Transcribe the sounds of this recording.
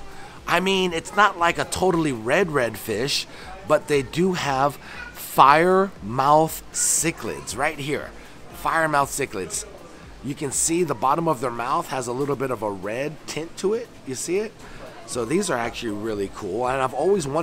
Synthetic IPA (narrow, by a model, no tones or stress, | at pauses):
ʔaɪmĩnɪtsnətˡlaɪkɨtʰoʊɾl̩ˠiɹɛd̚ɹɛd̥fɪʃ | b̥ʌt̪̚ðeɪdɨəv̥ | faɪə˞maʊθsɪkʰlɪ̰dz̥ɹaɪt̚hiɹ | faɪə˞maʊθsɪklɨdz̥ | jɨkɨ̃nsiðəbɑɾə̃mʌvðə˞maʊθhəzəlɪɾl̩ˠbɪɾʌvəɹɛd̚tʰɪ̃ntʰəɪt̚jɨsiɪt̚ | soʊðizə˞æk̚t͡ʃʉl̩ˠiɹɪlˠikʰṵlˠə̃naɪvɔlˠwizwʌ̃